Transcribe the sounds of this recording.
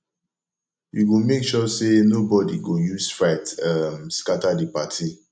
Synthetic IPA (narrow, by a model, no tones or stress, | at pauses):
juɡomekʃɔsenobɔdiɡojusfɹatamskatadipatʰi